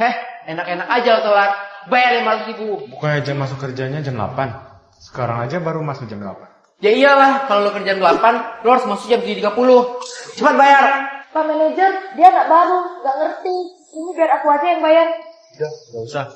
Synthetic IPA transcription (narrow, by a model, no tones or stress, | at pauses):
hɛhenakenakad͡ʒalat̪əlat̪̚bajarjamasʊkik̪ubukanad͡ʒamas̬ʊkːərd͡ʒaɲad͡ʒamla̰pan | sə̥kaɾa̰ŋad͡ʒabaɾumasʊk̚d͡ʒamdəla̰pan | d͡ʒadiialahkalolokərd͡ʒandəlapanloaɾʊsmasʊk̚d͡ʒamt̪uit̪iɡapulʊht͡ʃəpat̪̚bajarpamened͡ʒərdiaŋaʔbaɾuŋɡaʔŋərt̪i | inibiaɾakuasijaŋbajar | daɡausah